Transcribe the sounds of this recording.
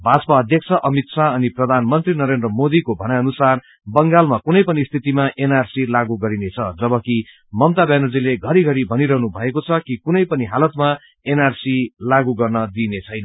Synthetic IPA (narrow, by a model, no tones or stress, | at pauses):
bʱat͡sʌ̥paʌd̪ʱjʌk̚t͡sʰʌʔʌmit̪sʰaʌniprʌd̪ʱanmʌnt̪rinʌɾend̪rʌmod̪ikobʱʌnaʌnusar | bʌŋɡalmakunʌjpʌnist̪ʰit̪imaʔenarsilaɡuɡʌɾinet͡sʰʌd͡zʌbʌki | mʌmt̪abjanod͡zileɡʱʌɾiɡʱʌɾibʱʌniɾʌɦnubʱʌekot͡sʰʌkikunʌjpʌniɦalʌt̪ma | enarsilaɡuɡʌrnʌd̪inet͡sʰʌjnʌ